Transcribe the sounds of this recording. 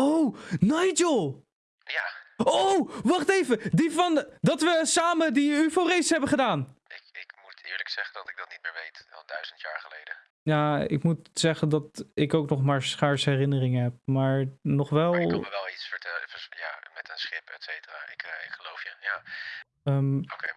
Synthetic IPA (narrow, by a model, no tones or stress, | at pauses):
ownajd͡ʒəlˠ | jaːowʋɑχtejvədivɑndɑtʋəsaːmədiyforejsɦɛbəχədaːnɪkɪkmutɪ̰ːɹləksɛχəndɑtɪɡ̚dɑtnit̚mɪːɹʋejtɛ̰lˠdœɥzəntja̰ːɹχəlejdə | jaːɪ̰kmutsɛχəndɑtɪkowknɔχmaːɹsχɛɹsəɦɛrɪnərɪŋəɦɛp̚maːɹnɔχʋɛlˠəʋɛlˠisfəɹtɛlfəja̰ːmɛtənsχɪpɛtsejtəraːɪ̰kɪkχəlowfjəja | əmokḛ